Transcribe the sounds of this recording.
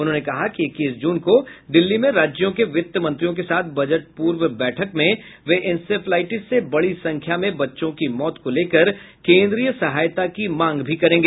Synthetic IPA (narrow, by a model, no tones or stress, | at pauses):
ʊnɦõnekɐɦakiɪkːiːsd͡ʒuːnkod̪ɪlːimẽɾaːd͡ʒjõkeʋɪt̪ːjəmɐ̃nt̪ɾijõkesaːt̪̚ʰbɐd͡ʒəʈ̚puːɾʋbɛːʈʰəkmẽʋeʔɪnsepʰlaːɪʈɪsːebɐɽisɐ̃ŋkʰjamẽbɐtːʃõkimɔːt̪koleːkəɾ | kẽːnd̪ɾijəsɐɦaːjt̪akimãːŋɡbʱikɐɾẽːŋɡeː